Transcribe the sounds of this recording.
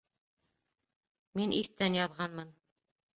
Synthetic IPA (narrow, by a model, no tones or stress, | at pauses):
minʔiθt̪ænjɑðʁɑnmɤn